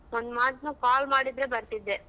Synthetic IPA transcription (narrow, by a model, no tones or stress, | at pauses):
ɔnd̪maːʈ̪nukaːlmaːɽid̪ɾebɐɾt̪id̪ːe